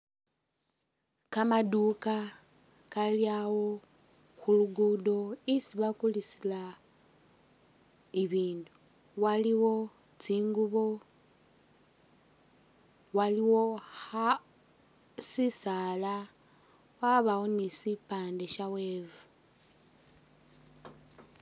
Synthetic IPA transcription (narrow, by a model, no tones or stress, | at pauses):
kamaduka | kaljawo̞ | xuluɡudo̞isiβakulisila | iβiːndu | waliwo̞ | t͡siːŋɡuβo̞ | waliwo̞ha | sisala | waβawonisipaːnde̞ʃaweːvu